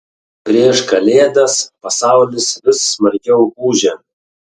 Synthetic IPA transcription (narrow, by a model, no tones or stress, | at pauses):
pʲɾʲiɛʃkɐlʲeːd̪ɐspɐsɑˑʊlʲɪsʋʲɪsːmɐɾʲɡʲɛʊuːʒʲɛ